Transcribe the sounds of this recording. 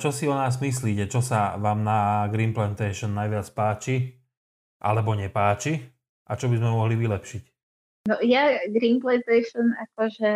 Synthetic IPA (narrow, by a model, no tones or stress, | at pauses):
t͡ʃɔsiɔnaːzmis̬liːcɛt͡ʃɔsaʋaːmnaɡɾiːnplɛnt̪ɛɪʃɔnːajʋɪat͡spaːt͡ʃi | ʔa̰lɛbɔɲɛpaːt͡ʃi | ʔat͡ʃɔbizmɛmɔɦliʋilɛpʃic | nɔjaɡɾiːnplɛnt̪ɛjʃɔnakɔʒɛ